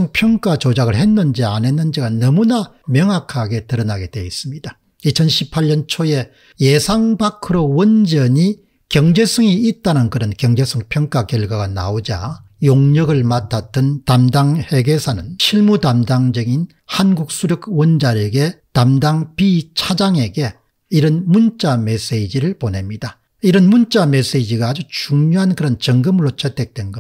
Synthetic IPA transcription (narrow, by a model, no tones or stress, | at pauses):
ɯŋpʰjʌŋk͈at͡ɕod͡ʑaɡɯɭɦe̞nːɯnd͡ʑiane̞nːɯnd͡ʑiɡanʌmuna | mjʌŋɦakʰaɡe̞tɯɾʌnaɡe̞de̞is͈ɯmɲid̥a | it͡ɕʰʌnɕʰipʰaʎːʌnt͡ɕʰoje̞ | je̞sʰaŋbakʰɯɾowʌnd͡ʑʌɲi | kjʌŋd͡ʑe̞sʰʌŋiit̚t͈anɯnkɯɾʌnkjʌŋd͡ʑe̞sʰɯŋpʰjʌŋk͈akjʌɭɡwaɡana̰od͡ʑa̰ | joŋɲʌɡɯɭmatʰat͈ɯntamdaŋhe̞ɡe̞sʰanɯnɕʰiɭmudamdaŋd͡ʑʌŋin | hanɡuk̚s͈ʰuɾjʌkwʌnd͡ʑaɾeɡe̞tamdaŋpit͡ɕʰad͡ʑaŋe̞ɡe̞ | iɾʌnmunt͡ɕ͈ames͈eid͡ʑiɾɯɭpone̞mɲid̥a | iɾʌnmunt͡ɕ͈ames͈eid͡ʑiɡaːd͡ʑut͡ɕuŋɲoɦankɯɾʌnt͡ɕʌŋɡɯmɯɾot͡ɕetʰek̚t͈wenɡʌ